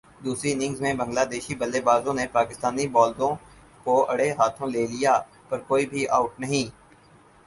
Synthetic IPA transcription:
d̪uːsɾinɪ̃ŋɡzmẽbɐ̃ŋɡlaːd̪eːʃibɐlːeːbaːzõnepaːkɪst̪aːnibɔːld̪õ | koɐɽeɦaːt̪ʰõleːlijaː | pɐɾkoːibʱiʔa̰ːʊʈnɐɦĩː

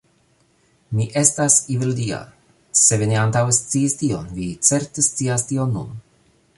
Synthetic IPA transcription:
miʔe̞stasivildia̰ | se̞vineant̪awest͡siːstio̞nvit͡se̞ɾtest͡siastio̞nːṵn

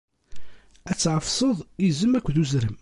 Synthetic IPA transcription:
æt͡sːʕəfsˤəðˤizəmːækʷːðuzɾəm

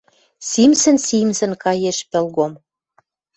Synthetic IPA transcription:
simsɘ̆nsimsɘ̆nkɑjeʃpĕlɣom

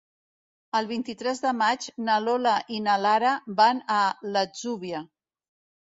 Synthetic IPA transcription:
əlˠβint̪it̪ɾɛzðəmad͡ʒnəlolaʔinalaɾəbanələd͡zuβiə

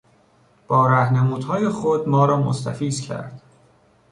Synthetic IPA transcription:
b̥ɒːɾæhnemuːd̪̥hɒːjexod̪mɒːɾɒːmo̰st̪ʰæ̰fiːzcʰæ̰ɾd̪̥

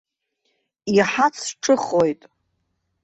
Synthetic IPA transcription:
iħat͡sʰʈ͡ʂʼɨχojtʼ

